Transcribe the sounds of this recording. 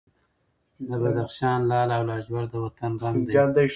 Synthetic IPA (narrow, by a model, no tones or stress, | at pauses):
d̪əbad̪axʃɑːnlɑːlawlɑd͡ʒwaɽd̪əwat̪anbandiɑnd̪a